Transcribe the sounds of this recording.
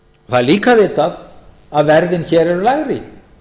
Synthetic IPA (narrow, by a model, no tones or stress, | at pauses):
ɔθaðliːkavɪːt̪að | aðvɛɾðɪnçɛːɾɛɾʏlaɣɾɪ